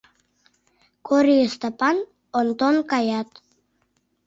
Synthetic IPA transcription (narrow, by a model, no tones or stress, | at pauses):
kʰoɾiəst̪apan | ont̪onkajat̪